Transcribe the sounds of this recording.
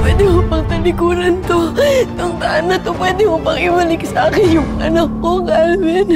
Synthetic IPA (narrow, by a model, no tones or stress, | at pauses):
pwɛːd̪ɪhopɐŋt̪ɐlɪkuːlɐnt̪ot̪ʊŋt̪ɐʔanːɐt̪opwɛːd̪ɪkopɐŋʔɪbɐlɪksɐʔaːkɪnjʊŋʔɐnɐkːoɡalmɪn